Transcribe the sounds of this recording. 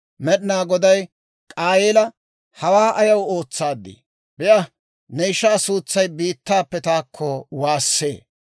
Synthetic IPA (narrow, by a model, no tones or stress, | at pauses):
mɛɗɪnaːɡɔd̪ɐj | kʼaːjeːlɐ | hɐwaːʔɐjɐwo̞ːt͡sːaːd̪ːɪ̰ | bɪʔɐ | nɛɪʃːaːsuːt͡sːɐjbiːt̪ːaːpːɛt̪aːkʰːɔwaːsːeː